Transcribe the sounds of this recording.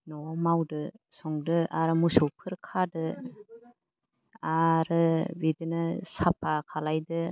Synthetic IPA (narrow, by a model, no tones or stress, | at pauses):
nɔmawdɯsɔŋdɯʔaɾɯmusɯwpʰɯɾkʰadɯ | aɾɯbidɯnɯsapʰakʰalajdɯ